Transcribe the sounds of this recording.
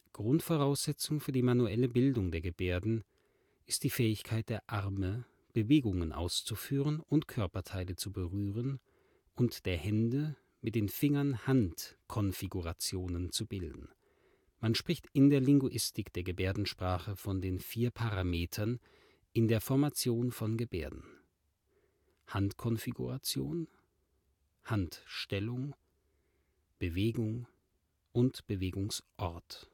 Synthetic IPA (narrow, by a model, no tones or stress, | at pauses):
ɡ̥ʁʊntfoʁ̞aʊsz̥ɛt͡sʊŋfyːɐdiːmanuʔɛləbɪldʊŋdeːɐɡəbeːɐdn̩ | ʔɪst̚d̥iːfɛːɪçkʰaɪt̚d̥eːɐʔaʁmə | b̥əveːɡʊŋənʔa̰ʊst͡sufyːʁənʊntkʰœɐpɐtʰaɪlət͡subəʁyːʁ̞ən | ʔʊntd̥eːɐhɛndə | mɪt̚d̥eːnfɪŋɐnhantkʰɔnfiɡuʁat͡sjoːnənt͡subɪldn̩ | manʃpʁ̥ɪçtɪndeːɐlɪŋɡuʔɪstɪkd̥eːɐɡəbeːɐdn̩ʃpʁ̥aːχəfɔndeːnfiːɐpʰaʁameːtʰɐn | ʔɪndeːɐfɔɐmat͡sjoːnfɔnɡəbeːɐdn̩ | hantkʰɔnfiɡṵʁat͡sjo̰ːn | hantʃtɛlʊŋ | b̥əveːɡʊŋ | ʔʊntb̥əveːɡʊŋsʔɔɐt